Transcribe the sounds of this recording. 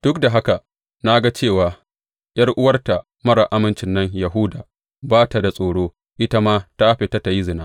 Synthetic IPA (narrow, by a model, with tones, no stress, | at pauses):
d̥ʊ˦kda˨ɦa˦ka˨ | na˦ɡa˦t͡ʃeː˦˨waː˨ | j̰ɐ˦rʔʊ˦wɐ˦rta˨ | mɐ˦ɾa˨ʔa˦mɪ˨nt͡ʃɪ˨nːɐ˦ɲjɐ˨ɦʊ˦daː˨ | baː˦ta˨da˨sʼoː˨ɽoː˦ | ʔɪ˦ta˦maː˦ta˦ʔɸe˨ta˦ta˨ji˦zɪ˨naː˦